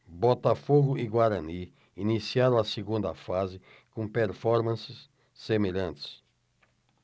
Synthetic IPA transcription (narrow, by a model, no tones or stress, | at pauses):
bɔt̪afoɡʊiɡwaɾɐ̃ni | inisiaɾɐ̃w̃ɐseɡũnd̪ɐfazɪ | kõpeɾfɔɾmɐ̃sɪsː | emeʎɐ̃nt̪ɪ̥s